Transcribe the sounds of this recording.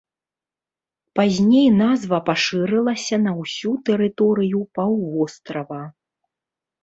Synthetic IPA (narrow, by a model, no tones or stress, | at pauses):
pazʲnʲejnazvɐpaʂɨɾɛlˠɐsʲɐnɐwsʲut̪ɛɾɨt̪ɔɾɨjupawvɔst̪ɾɐvɐ